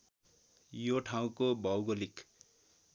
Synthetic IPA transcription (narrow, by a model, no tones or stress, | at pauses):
joʈʰaw̃kobʱʌwɡolik